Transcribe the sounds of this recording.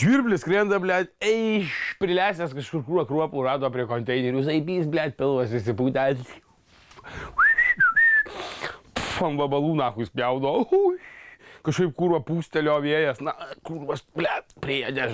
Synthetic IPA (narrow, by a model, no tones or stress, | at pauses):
ʒʲʋʲiːrʲbʲlʲɪskɾʲend̪ɐbʲlʲæːt̪ʲɛɪʃpʲɾʲɪlʲæːsʲɛskɐʃkʊrkuːɐkɾuɔpuːrɑːd̪oːpʲɾʲiɛkoːnʲt̪ʲɛɪnʲɛɾʲʊsɐɪbʲiːsbʲlʲæːt̪̚ʲpʲɪlˠʋɐsɪsʲɪpuːt̪ʲætʲi | pfɐmʋɐbɐlˠuːnɑːxʊsʲpʲjɛʊd̪oːo | kɐʃkɐɪp̚kuːɾɐpuːsʲt̪ʲɛlʲoːʋʲiɛjɛsnɐkuːɾʋɐsbʲlʲætpʲɾʲɪeːjɛd̪ʲæ